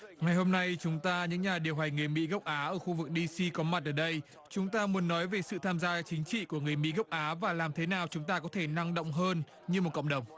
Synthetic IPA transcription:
ŋa˨˩jho˧mna˧jt͡ɕʊ˨˦ŋ͡mt̪aː˧ɲɨ̰˧˥ŋɲaː˨˩ɗi˨˩əwɦa˨˩jŋ̟ŋɨ˨˩əjmḭ˧˥ɣə˦˥wk͡p̚ʔaː˨˦ʔəː˧˩xu˧vɨ˨˩k̚ɗi˧si˧kɔ˨˦ma˨˩t̚ʔəː˧˩ɗə˧j | t͡ɕʊ˨˦ŋ͡mt̪aː˧mu˨˦ənːɔ˨˦jve˨˩sɨ̰˧˨t̪ʰaː˧mzaː˧t͡ɕï˨˦ŋ̟t͡ɕḭ˧˨ku˧˩əŋɨ˨˩əjmḭ˧˥ɣə˦˥wk͡p̚ʔaː˨˦vaː˨˩laː˨˩mt̪ʰe˨˦naː˨˩wt͡ɕʊ˨˦ŋ͡mt̪aː˧kɔ˨˦t̪ʰe˧˩na˧ŋɗə̰˧˨wŋ͡mɦəː˧n | ɲɨ˧mo˨˩t̚kə̰˧˨ŋ͡mɗə˨˩wŋ͡m

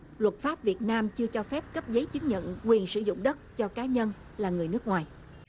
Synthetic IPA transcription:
lwə˨˩t̚faː˦˥p̚vi˨˩ət̚naː˧mt͡ɕɨ˧ət͡ɕɔ˧fɛ˦˥p̚kə˦˥p̚zə˨˦jt͡ɕɨ˨˦ŋɲə̰˧˨nkwi˨˩ənsɨ̰˧˩zʊ̰˧˨ŋ͡mɗə˦˥t̚t͡ɕɔ˧kaː˨˦ɲə˧n | laː˨˩ŋɨ˨˩əjnɨ˦˥ək̚ŋwaː˨˩j

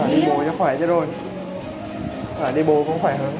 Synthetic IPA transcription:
ɔ˨˩ɗi˧ɓo˨˩t͡ɕɔ˧˦xwɛː˧˩t͡ɕɔ˨˦ɗo˧˩j | aː˨˩ɗi˧˩ɓo˨˩xə˧˦wŋ͡mxwɛː˧˩jɦəː˧˩n

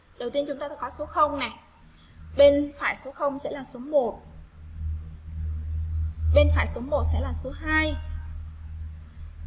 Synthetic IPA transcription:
ɗə˨˩wt̪i˧ənt͡ɕʊ˨˦ŋ͡mt̪aː˧˥kɔ˨˦so˨˦xə˧wŋ͡mnɛ˨˩ | ɓe˧nfaː˧˩˨jso˨˦xə˧wŋ͡msɛ̰˧˥laː˨˩so˨˦mo˨˩t̚ | ɓe˧nfaː˧˩jso˨˦mo˨˩t̚sɛ̰˧˥laː˨˩so˨˦ɦaː˧j

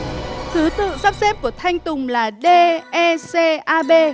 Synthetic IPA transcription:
t̪ɨ˨˦t̪ɨ̰˧˨saː˦˥p̚sɛ˦˥p̚ku˧˩ət̪ʰa˧jŋ̟t̪ʊ˨˩ŋ͡mlaː˨˩ɗe˧ʔɛ˧se˧ʔaː˧ɓe˧

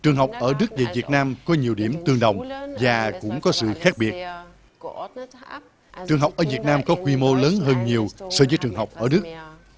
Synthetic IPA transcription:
t͡ɕɨ˨˩əŋɦə˨˩wk͡p̚ʔəː˧˩ɗɨ˦˥k̚ve˨˩vi˨˩ət̚naː˧mkɔ˨˦ɲi˨˩əwɗi˧˩əmt̪ɨ˧əŋɗə˨˩wŋ͡mvaː˨˩kʊ̰˧˥ŋ͡mkɔ˨˦sɨ̰˧˨xaː˦˥k̚ɓi˨˩ət̚ | t͡ɕɨ˨˩əŋɦa˨˩wk͡p̚ʔəː˧˩vi˨˩ət̚naː˧mkɔ˨˦xwi˧mo˧ləː˨˦nɦəː˧nɲi˨˩əwsəː˧˩vəː˨˦jt͡ɕɨ˨˩əŋɦa˨˩wk͡p̚ʔəː˧˩ɗɨ˦˥k̚

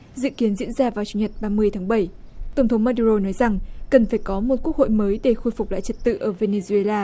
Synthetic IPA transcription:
zɨ̰˧˨ki˨˦ənzḭ˧˥ənzaː˧vaː˨˩wt͡ɕu˨˧˩ɲə˨˩t̚ɓaː˧mɨ˧əjt̪ʰaː˨˦ŋɓə˧˩jt̪ə˧˩wŋ͡mt̪ʰə˨˦wŋ͡mmaː˧ɗu˧zo˧nɔ˨˦jza˨˩ŋkə˨˩nfaː˧˩jkɔ˨˦mo˨˩t̚ku˦˥ək̚ho̰˧˨jməː˨˦jɗe˧˩xo˧jfu˨˩k͡p̚la̰ː˧˨jt͡ɕə˨˩t̚t̪ɨ̰˧˨ʔəː˧˩ve˧ne˧zu˧e˧laː˧

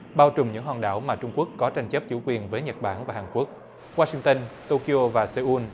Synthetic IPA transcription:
ɓaː˧wt͡ɕʊ˨˩ŋ͡mɲɨ̰˧˥ŋɦɔ˨˩nɗa̰ː˧˩wmaː˨˩t͡ɕʊ˧ŋ͡mku˦˥əkːɔ˨˦t͡ɕa˧ŋt͡ɕə˦˥p̚t͡ɕṵ˧˩kwi˨˩ənvəː˨˦jɲə˨˩t̚ɓaː˧˩nvaː˨˩haː˨˩nku˦˥ək̚ | waː˧si˧ŋt̪ə˧nt̪o˧ki˧o˧vaː˨˩se˧ʔu˧n

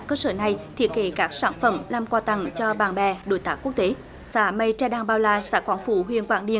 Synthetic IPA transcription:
kəː˧səː˧˩na˨˩jt̪ʰi˦˥ət̚ke˨˩˦kaː˦˥k̚saː˧˩nfə˧˩mlaː˨˩mkwaː˧t̪a˧˩ŋt͡ɕɔ˧ɓaː˨˩nɓɛ˧˨˩ɗo̰˧˩˦jt̪aː˦˥k̚u˦˥ək̚t̪e˨˦ | saː˧˩mə˨˧jt͡ɕɛ˧˩ɗaː˧ŋɓaː˧˩wlaː˧˩sa̰ː˧˥kwaː˨˦ŋfu˧˩ɦwḭ˧˨ənkwaː˧˩ŋɗḭ˧˨ə

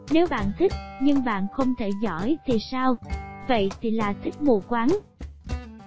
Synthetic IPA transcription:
ne˨˦wɓa̰ː˧˨nt̪ʰï˦˥k̚ɲɨ˧ŋɓa̰ː˧˨nxə˧wŋ͡mt̪ʰe˧˩zɔ̰˧˥jt̪ʰi˨˩saː˧wvə̰˧˨jt̪ʰi˨˩laː˨˩t̪ʰi˦˥k̚mu˧˩kwaː˨˦n

